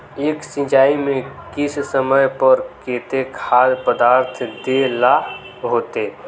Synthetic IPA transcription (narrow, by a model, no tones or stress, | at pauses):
eːksɪ̃d͡ʒaːimẽkɪssəməjpəɾkeːt̪ekʰaːd̪pəd̪aːɾt̪ʰd̪ela | ɦoːt̪e